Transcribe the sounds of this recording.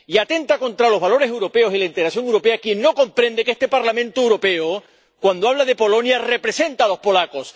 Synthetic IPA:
iat̪e̞nt̪akõ̞nt̪ɾalo̞zβalo̞ɾese̞wɾo̞pe̞osilaint̪eɣɾasjo̞ŋewɾo̞pe̞akje̞nːo̞ko̞mpɾẽ̞nd̪e̞ke̞st̪e̞paɾlamẽ̞nt̪oewɾo̞pe̞o | kwand̪oaβlað̞e̞po̞lo̞njare̞pɾe̞se̞nt̪aːlo̞spo̞lako̞s

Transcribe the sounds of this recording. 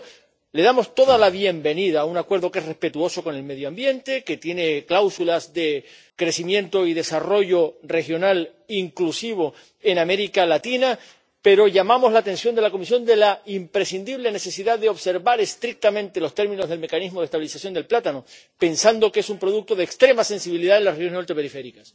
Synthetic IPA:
le̞ðamo̞st̪o̞ðalaβje̞mbe̞niðaunakwe̞ɾðo̞ke̞sre̞hpe̞t̪uo̞so̞kone̞lme̞ðjoambje̞nt̪e̞ke̞t̪je̞ne̞klawsulazðe̞ | kɾe̞simjẽ̞nt̪o̞iðe̞saro̞ʝo̞re̞xjo̞nal | iŋklusiβ̞o̞ | e̞name̞ɾikalat̪ina | pe̞ɾo̞ʝamamo̞zlat̪ẽ̞nsjond̪elako̞mis̬jõ̞nd̪e̞laimpɾe̞sind̪iβ̞le̞ne̞se̞siðaðeo̞βse̞ɾβaɾe̞st̪ɾik̚t̪amẽnt̪e̞lo̞st̪e̞ɾmĩno̞zðelme̞kanizmoðest̪aβilisasjo̞nd̪e̞lplat̪ano | pe̞nsand̪o̞kee̞sumpɾo̞ðuk̚t̪o̞ð̞ekst̪ɾe̞mase̞nsiβiliðaenlasrexjonsot̪epe̞ɾife̞ɾikas

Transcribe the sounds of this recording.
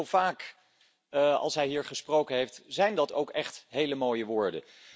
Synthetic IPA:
lˠv̥aːk | ɑ̰lˠsɦɛjɦiːɹχəsprowkənɦejftz̥ɛjndɑto̰wkɛχtɦejləmoːjəʋʊːɹdə̰

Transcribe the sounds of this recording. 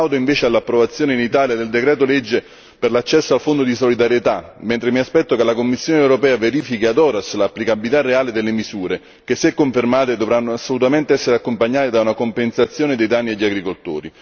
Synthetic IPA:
awd̪oiɱveːt͡ʃealːapːɾovat̪sːjoːneinit̪aːljad̪eld̪ekɾɛːt̪olɛd͡ʒːe | perlat͡ʃːɛsːoalfond̪od̪isolid̪aɾjet̪amːẽnt̪ɾemiaspɛt̪ːokelakomːisːjoːneɛwɾopɛːaveɾiːfikiad̪ɔːɾaslapːlikabilit̪arːeaːled̪elːemisuːɾe | kesːekːoɱfermaːt̪ed̪ovɾanːoasːolut̪ament̪eɛsːeɾeakːompaɲːaːt̪ed̪aunakompensat̪sːjoːned̪ejd̪anːielːaɡɾikolt̪o̰ːɾi

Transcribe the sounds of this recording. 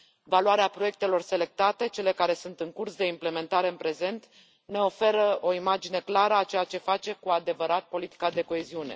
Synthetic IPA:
valuaɾeapɾo̞je̞k̚t̪e̞lo̞rse̞le̞k̚t̪at̪e̞t͡ʃe̞le̞kaɾe̞sunt̪ɨŋkursd̪e̞imple̞me̞nt̪aɾeɨnpɾe̞ze̞nt̪ | ne̞o̞fe̞ɾəo̞imad͡ʒine̞klaɾəat͡ʃe̞jat͡ʃe̞fat͡ʃe̞kuad̪e̞vəɾat̪̚po̞lit̪i̥kad̪e̞ko̞e̞ziune̞̰

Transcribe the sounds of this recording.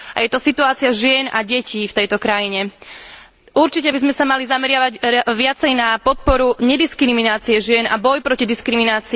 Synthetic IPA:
a̰jɛt̪ɔsit̪uaːt͡sɪaʒɪɛnʔa̰ɟɛciːft̪ɛjt̪ɔkɾajiɲɛ | ʔuɾt͡ʃicɛbizmɛsamalizamɛɾɪaʋaɟʋɪat͡sɛjnapɔt̪̚pɔɾuɲɛd̪iskɾiminaːt͡siɛʒɪɛna̰bɔjpɾɔcid̪iskɾiminaːt͡si

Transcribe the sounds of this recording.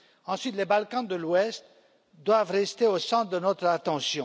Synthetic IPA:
ɑ̃sɥit̪lebalkɑ̃d̪əlwɛst̪ | d̪wavʁɛst̪eosɑ̃t̪d̪ənɔt̪χat̪ɑ̃sjɔ̃

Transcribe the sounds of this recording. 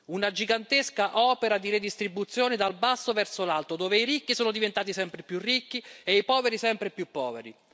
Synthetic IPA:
unad͡ʒiɡant̪eskaʔɔːpeɾad̪iɾed̪ist̪ɾibut̪sːjoːned̪albasːovɛrsolalt̪od̪oːveiɾikːisoːnod̪ivent̪aːt̪isɛmpɾepjurːikːieipɔːveɾisɛmpɾepjupːɔ̰ːvḛɾḭ

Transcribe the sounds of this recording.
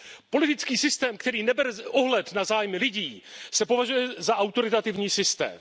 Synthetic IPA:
po̞lɪt̪ɪt͡skiːsɪst̪ɛːmkt̪ɛɾiːnɛbɛɾʔoɦlɛt̪nazaːjmɪlɪɟiːsɛpo̞vaʒujɛzaʔawt̪o̞ɾɪt̪at̪ɪvɲiːsɪst̪ɛ̰ːm

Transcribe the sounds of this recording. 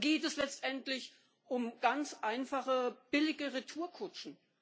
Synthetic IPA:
ɡeːtɛslɛt͡stʔɛntlɪç | ʔʊmɡ̥ant͡sʔaɪnfaχəb̥ɪlɪɡəʁitʰuːɐkʰʊt͡ʃn̩

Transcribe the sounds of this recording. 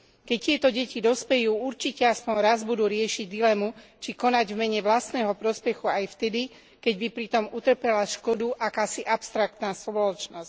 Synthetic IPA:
kɛct̪ɪɛt̪ɔɟɛcid̪ɔspɛjuːuɾt͡ʃicɛaspɔnɾazbud̪uːɾɪɛʃiɟd̪ilɛmut͡ʃikɔnaɟvmɛɲɛʋlast̪nɛːɦɔpɾɔspɛxuajft̪ɛd̪i | kɛɟbipɾit̪ɔmut̪r̩pɛlaʃkɔd̪uʔakaːsiʔapst̪ɾakt̪naːspɔlɔt͡ʃnɔsc

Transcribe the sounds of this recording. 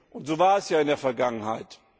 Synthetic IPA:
ʔʊntz̥oːvaːɐɛsjaːɪndeːɐfɛɐɡaŋənhaɪt

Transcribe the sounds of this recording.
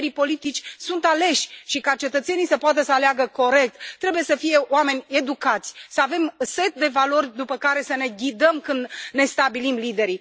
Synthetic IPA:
ɾipo̞lit̪it͡ʃʲsunt̪ale̞ʃʲʃikat͡ʃe̞t̪ət̪se̞nijsəpoat̪əsəaleaɡəko̞ɾe̞k̚t̪ːɾe̞bujesəfije̞oame̞nʲe̞d̪ukat̪sʲsəave̞mse̞t̪̚d̪e̞valo̞rʲd̪upəkaɾe̞səne̞ɡʲid̪əmkɨnd̪ne̞st̪abilimlid̪e̞ɾi

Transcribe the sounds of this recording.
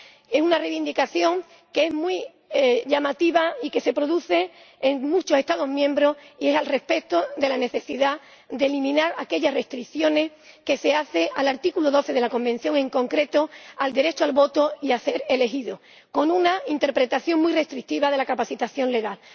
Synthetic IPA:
e̞sunareβind̪ikaθjo̞ŋ | keezmwi | ʝamat̪iβaike̞se̞pɾo̞ðuθe̞ː | ŋmũt͡ʃoe̞st̪aðo̞ɦmjẽmbɾo̞hie̞salre̞spe̞t̪o̞ðe̞lane̞θe̞siða | d̪e̞limĩnaɾake̞ʎasre̞st̪ɾikθjo̞ne̞s | ke̞se̞aθe̞ʔalaɾt̪ikuloðo̞θe̞ð̞e̞lako̞mbẽ̞n̟θjo̞ŋẽ̞ŋko̞ŋkɾe̞t̪o̞ald̪e̞ɾe̞t͡ʃoalβo̞t̪o̞iaθe̞ɾe̞le̞ɦiðo | ko̞nũnaint̪e̞ɾpɾe̞t̪aθjo̞ŋmwire̞st̪ɾik̚t̪iβaðe̞lakapaθit̪aθjo̞nle̞ɣal

